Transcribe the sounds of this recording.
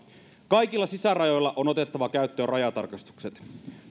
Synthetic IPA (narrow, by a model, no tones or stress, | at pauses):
kɑjkilːɑsisærɑjo̞jlːɑʔono̞t̪e̞t̪ːɑʋɑkæyt̪ːøːrɑjɑt̪ɑ̰rkɑst̪u̥kset̪